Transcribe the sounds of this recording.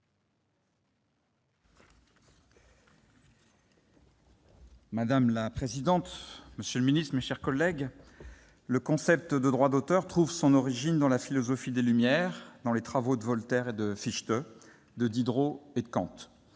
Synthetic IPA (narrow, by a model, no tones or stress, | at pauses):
mad̪amlapχezid̪ɑ̃t̪məsjøləminist̪χmeʃɛʁkɔlːɛɡ | ləkɔ̃sɛp̚t̪əd̪əd̪ʁwad̪ot̪œʁt̪χuvsɔ̃nɔʁiʒind̪ɑ̃lafilɔzɔfid̪elymjɛʁd̪ɑ̃let̪χavod̪əvɔlt̪ɛʁed̪əfiʃt̪ø | d̪əd̪id̪ʁoed̪əkɑ̰̃t̪